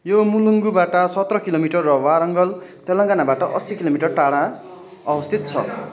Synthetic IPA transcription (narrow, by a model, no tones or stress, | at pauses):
jomuluŋɡubaʈʌsʌt̪rʌkilomiʈʌrːʌwaɾʌŋɡʌlt̪ʌlʌ̃ŋɡanabaʈʌʔʌsikilomiʈʌrʈaɽã | ʌbʌst̪ʰit̪̚t͡sʰʌ̰